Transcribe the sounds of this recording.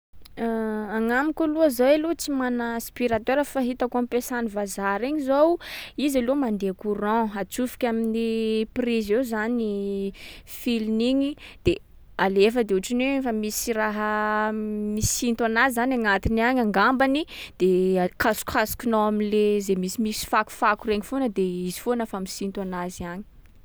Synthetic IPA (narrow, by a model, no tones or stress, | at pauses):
aŋamikʲuluazawelut͡simanaspiɾat̪eɾəfaɦit̪akuampesanivazaɾiɲizowizalumand̪eakuɾɔ̃at͡sufi̥kʲaminiprizewzani | filniɲid̪̥e | alefəd̪euʈ͡ʂinwefamisiraɦə | misint̪anazizanaŋat̪iniaɲaŋɡambanid̪̥ekʰasu̥kʰasu̥kunoamilezemisimisi̥faku̥fakureŋifonəd̪eizi̥fonəfamisint̪uanaziaɲi̥